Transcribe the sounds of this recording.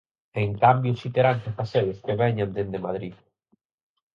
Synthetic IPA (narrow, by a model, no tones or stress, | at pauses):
eŋkambjusit̪eɾansefaseðeskeβɛɲand̪end̪emað̞ɾið